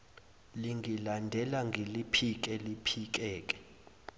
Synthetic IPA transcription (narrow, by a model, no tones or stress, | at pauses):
liŋɡʱilandʱɛlaŋɡʱelipʰik̬ɛlipʰik̬ʼɛːk̬ʼɛ̥